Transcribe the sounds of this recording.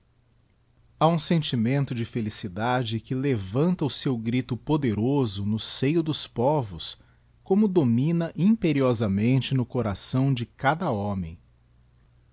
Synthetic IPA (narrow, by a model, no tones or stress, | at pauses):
aũsẽnt͡ʃimẽnt̪ʊd͡ʒɪfelisid̪ad͡ʒɪkɪlevɐ̃nt̪ɐʊsewɡɾit̪ʊpod̪eɾozʊnʊsejʊd̪ʊspɔvʊs | kõmʊd̪omĩnɐʔĩpeɾiɔzɐmẽnt͡ʃɪnʊkoɾasɐ̃w̃d͡ʒɪkad̪ɐɔ̃mẽj̃